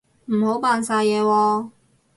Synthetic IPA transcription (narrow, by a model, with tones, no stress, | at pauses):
m̩˨˩ho˨˥wpaː˧nsaː˧jɛː˨˧wɔː˧